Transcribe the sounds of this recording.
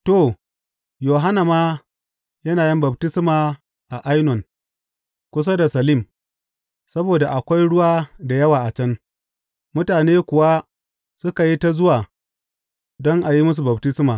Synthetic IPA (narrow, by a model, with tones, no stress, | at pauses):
to˦˨ | joː˨ɦa˦na˨maː˦ | jɐ˦naː˨jɪ˦mbɐ˨btɪ˦smaː˨ | ʔa˨ʔa˦jnɔ˨n | kʷʊ˦s̬a˦da˨sɐ˨lɪ˦˨m | sɐ˦boː˨da˨ʔa˨kʷa˦jɽʊ˦waː˦da˨jɐ˦waː˨ʔa˨t͡ʃɐ˦ŋ | mʊ˦taː˨neː˦kʷʊ˨wa˦ | sʊ˦ka˨ji˦ta˦zʊ˦waː˨ | dɔ˦ŋʔa˨ji˦mʊ˦s̬u˨bɐ˨btɪ˦smaː˨